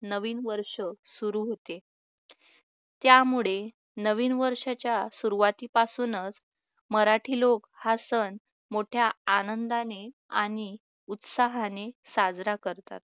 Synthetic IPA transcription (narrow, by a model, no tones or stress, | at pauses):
nəʋiːnʋəɾʂəsuɾuɦot̪e | t̪jamuɭe | nəʋiːnʋəɾʂat͡ɕjasuɾuʋat̪iːpasuːnət͡s | məɾaʈʰiːlokhasən | moʈʰjaːnənd̪ane | a̰ɽ̃i | ut̪saɦanesad͡zɾakəɾt̪a̰t̪̚